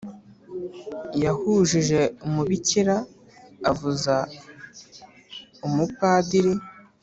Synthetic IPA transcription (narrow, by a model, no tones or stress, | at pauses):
jahuːʒiʒe̞umuβiciɾaː | vuza | umukaːdiɾi